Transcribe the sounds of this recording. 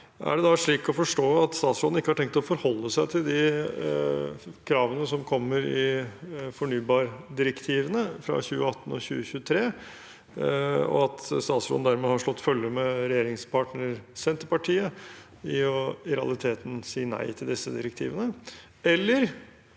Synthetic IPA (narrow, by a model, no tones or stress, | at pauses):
ʔæ̰ɖɛd̪ɑʂɭiːkɔfɔʂʈoːɑt̪st̪ɑːt̪sɾoːd̪n̩ɪkːəhɑɾʈʰɛŋkt̪ɔfɔɾhɔlːəsæɪt̪ʰɪld̪ɪ | kʰɾɑːʋənəsɔmkʰɔmːəɾɪfɔɳyːbɑːɾɖ̪ɪɾəkt̪ʰiːʋənəfɾɑ̰çʉːəɑt̪ːn̩ɔɕʉ̰ːəçʉːət̪ʰɾeː | ɔ̰ɑt̪st̪ɑːt̪sɾo̰d̪n̩d̪æɾmehɑʂɭɔt̪ːfœljəɾəmɛɾɛjeːɾɪŋspʰɑːʈnəɾəɾsɛnt̪əɾpɑʈʰiːə | ɪɔɪɾɛɑ̰lˠɪt̪ʰeːt̪n̩siːənæ̰ɪt̪ʰɪld̪ɪsːəd̪ɪɾəkt̪ʰḭːʋənə | ɛlːəɾ